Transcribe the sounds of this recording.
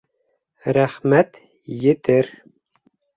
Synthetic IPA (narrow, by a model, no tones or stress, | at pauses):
ɾæχmæt̪ | jɘ̆t̪ɘɾ